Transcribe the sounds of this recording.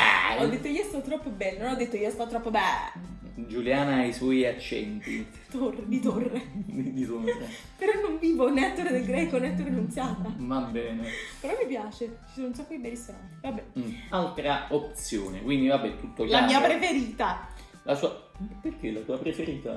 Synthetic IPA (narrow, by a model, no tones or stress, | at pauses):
ɛ̰ɔd̪ːet̪ːoiːoɛst̪at̪ot̪ɾɔpːobɛlːenonɔd̪ːet̪ːoioɛst̪at̪ot̪ɾɔpːobɛ | d͡ʒuljaːnaiswɔjat͡ʃːɛ̰nt̪i̥it̪ored̪it̪orːed̪id̪it̪on | peɾɔnːoɱviːvonɛt̪ːoɾed̪elɡɾɛkonɛt̪ːoɾenunt̪sjaːt̪avabːɛːnepeɾɔmːipjaːt͡ʃet͡ʃisoːnounsakːod̪ibɛlːisant̪ivabːɛalt̪ɾaop̚t̪sjo̰ːnekwind̪ivabːɛt̪ːut̪ːoklamiːapɾefeɾiːt̪a | lasuaperk̟elat̪uːapɾefeɾiːt̪a̰